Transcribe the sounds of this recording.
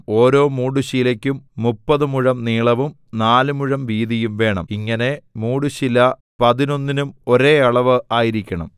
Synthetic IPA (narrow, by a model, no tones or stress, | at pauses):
o̞ːɾo̞ːmuːɖuɕilɐkʲːumːupːɐðɨmuɻɐmniːɭɐʋum | naːlɨmuɻɐmʋiːðijumʋe̞ːɳɐ̰miŋːɐne̞muːɽuɕilɐ | pɐðino̞nːinumo̞ɾe̞ːɐɭɐʋɨaːjiɾikʲːɐɳɐ̰m